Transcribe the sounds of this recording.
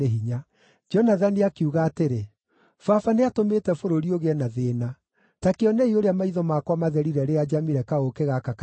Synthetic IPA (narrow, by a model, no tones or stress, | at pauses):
eɦiɲa | d͡ʒɔnaðaniakeuɣaːteɾe | fafaneatomeːtɛfoɾoɾioɣeɛnaðeːna | takeɔneioɾeamaiðɔmakwamaðɛɾiɾɛɾead͡ʒamiɾɛkaokeɣakak